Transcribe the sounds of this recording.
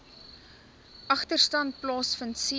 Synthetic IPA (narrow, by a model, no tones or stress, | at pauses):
ʔɐχtərstɐnt̚plɑːsfəntsi